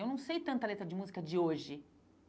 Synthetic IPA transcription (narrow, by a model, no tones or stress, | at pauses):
ewnɐ̃w̃sejt̪ɐ̃nt̪ɐlet̪ɾɐd͡ʒɪmuzikɐd͡ʒɪoʒɪ